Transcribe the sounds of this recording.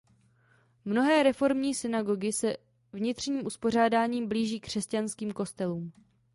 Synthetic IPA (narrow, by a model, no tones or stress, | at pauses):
mno̞ɦɛːɾɛfo̞ɾmɲiːsɪnaɡo̞ɡɪsɛ | vɲɪt̪r̝̥ɲiːmʔuspo̞r̝aːdaːɲiːmbliːʒiːkr̝̥ɛscanskiːmko̞st̪ɛluːm